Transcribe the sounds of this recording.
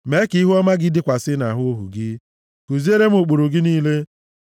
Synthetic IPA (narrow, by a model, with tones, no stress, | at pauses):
me˨˦ki˨˦ɦu˦ɔ˦ma˦ɡɪ˦dɪ˦kʷa˨sɪ˦na˨ɦʊ˦o˦ɦṵ˨ɡɪ˦ | ko˨zi˦e˦ɾe˦m̩˦o˨k͡po˨ɾo˨ɡɪ˦niː˦le˦